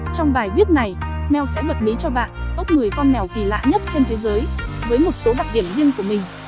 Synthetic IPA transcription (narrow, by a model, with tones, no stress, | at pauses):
t͡ɕɔ˧wŋ͡mɓaː˨˩jvi˦˥ət̚na˨˩jmɛ˧˩wsɛ̰˧˥və˨˩t̚ɓi˨˦t͡ɕɔ˧ɓa̰ː˧˨nkə˦˥wk͡p̚ŋɨ˨˩əjkɔ˧nːɛ˨˩wki˨˩la̰ː˧˨ɲə˦˥t̚t͡ɕe˧nt̪ʰe˨˦zəː˨˦jvəː˨˦jmo˨˩t̚so˨˦ɗaː˨˩k̚ɗi˧˩əmzi˧əŋku˧˩əmï˨˩ŋ̟